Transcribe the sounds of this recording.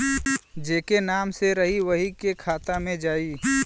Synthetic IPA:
d͡ʒeːkenaːmseɾəɦiʋəɦikekʰaːt̪amẽd͡ʒaːiː

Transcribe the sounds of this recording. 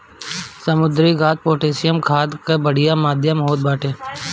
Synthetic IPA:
səmʊd̪ɾiɡaːt̪̚poːʈeːsɪjəmkʰaːd̪kebəɽ̤ɪjamaːd̪ʱjəmɦoːd̪baːʈeː

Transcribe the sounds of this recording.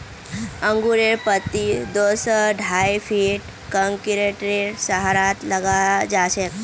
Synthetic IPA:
ə̃ŋɡuɾeɾpət̪ːid̪osɔɖʱajfʰiʈ | kəŋkiɾeʈɾeɾsəɦaɾat̪ləɡad͡ʒaːʃek

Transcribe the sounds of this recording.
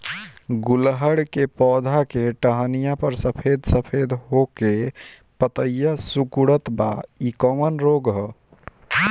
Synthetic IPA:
ɡulɦəɽkepɔd̪ʱakeʈəɦənijapəɾsəpʰed̪ʱsəpʰed̪ʱɦoke | pət̪əjəsukuɽət̪ba̰ikəmənɾoɡɦɔ

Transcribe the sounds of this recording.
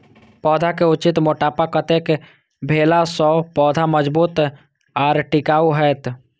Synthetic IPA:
pɔːd̪ʱakeʊt͡ʃɪt̪moːʈaːpakət̪eke | bʱeːlasɔːpɔːd̪ʱaməd͡ʒbuːt̪ | aːɾʈɪkaːuɦɛːt̪

